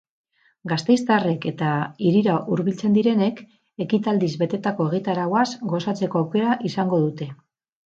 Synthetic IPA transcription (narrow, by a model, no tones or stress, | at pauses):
ɡast̪e̞jst̪are̞ke̞t̪aiɾiɾaʔuɾβilt͡se̞nd̪iɾe̞ne̞k | e̞kit̪ald̪izβe̞t̪e̞t̪ako̞e̞ɣ̞it̪aɾawasɡo̞sat͡se̞ko̞awke̞ɾaʔisaŋɡo̞ðut̪e̞